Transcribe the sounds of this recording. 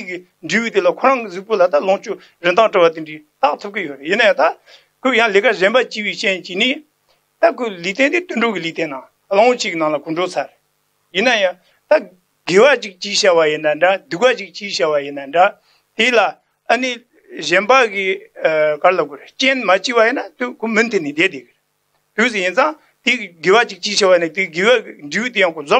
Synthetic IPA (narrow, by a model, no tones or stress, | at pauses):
t̪iki | ɳɖ͡ʐiːwit̪elakʰorɑŋkizəʔ̚polat̪aloŋt͡ɕo | rənt̪ɑŋʈ͡ʂəwat̪iɳɖ͡ʐit̪aʔt̪ʰəp̚kijørjənːajat̪a | kʰojaŋlekʰaʑenpat͡ɕiwit͡ɕent͡ɕiːni | t̪akʰolit̪ʰent̪et̪ønɖ͡ʐokilit̪ennɑ | loŋwot͡ɕʰiʔkinɑŋlakʰoɳɖ͡ʐot͡sʰareʔ | jənːajɑŋ | t̪a | ɡewat͡ɕək̚t͡ɕiɕawajənːaɳɖ͡ʐad̪uʔ̚wat͡ɕək̚t͡ɕiɕawajənːaɳɖ͡ʐa | t̪ela | ʔəni | ʑenpakikalaɡoɾeht͡ɕenmat͡ɕiwajənːat̪ukʰomənt̪ʰenːid̪ed̪ekireʔ | t̪usijənsɑŋ | t̪iɡewat͡ɕək̚t͡ɕiɕawajənat̪iɡewakiɳɖ͡ʐiwit̪ejɑ̃ŋkond͡zo